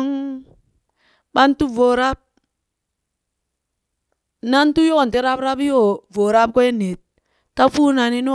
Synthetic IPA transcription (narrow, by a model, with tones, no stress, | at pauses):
ŋ | ɓa˦ntu˦vo˨ɾa˦b̚ | na˦n˦tu˦jo˦˨n˨te˦ɾa˦bɾa˦bjo˦˨vo˨ɾa˦p̚ko˦e˦ne˨t̚ | ta˦fu˦na˨ni˦n˦